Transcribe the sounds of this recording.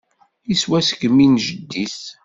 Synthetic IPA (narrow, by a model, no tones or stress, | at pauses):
iswæsə̥kminʒəd̪ːiθ